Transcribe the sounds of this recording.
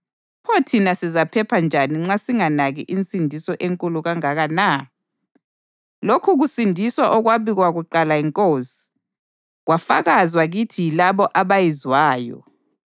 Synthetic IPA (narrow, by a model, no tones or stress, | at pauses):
pʰotʰinasizapʰɛpʰand͡ʒʱaniŋ͡ǁasiŋanaɣiʔint͡sʼindʱisɔʔeŋkʼuluɣaŋaɣana | lokʰuɣusindʱiswaʔɔɣwaβiɣwaɣuǃalaiŋkʼoːsi̥ | ɣwafa̰ɣazwaɣitʰilaβɔʔaβajizwaːjɔ̰